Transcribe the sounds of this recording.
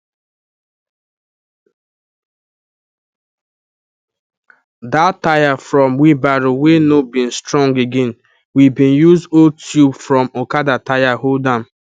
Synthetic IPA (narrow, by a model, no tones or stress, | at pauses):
datːajafɾɔmwibaɾʊwenobĩn̩stɹɔ̃ŋɡeɡẽn | wibĩnjuzotʰjubfɹɔmokadatajaholdam̩